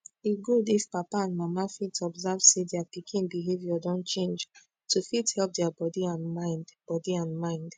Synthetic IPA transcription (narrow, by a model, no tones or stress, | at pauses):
iɡudifpapaãnmamafitɔbzavsedɛapikʰĩnbiɦevjɔdɔ̃nt͡ʃẽnd͡ʒ | tufithɛlp̚dɛabɔdiãnmãɪ̃ndb̥ɔdiãnmãɪ̃nd̥